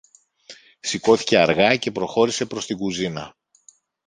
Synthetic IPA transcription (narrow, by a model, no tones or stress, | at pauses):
siko̞θi̥ce̞ɐɾɣɐce̞pɾo̞xo̞ɾise̞pɾo̞st̪iɡuzinɐ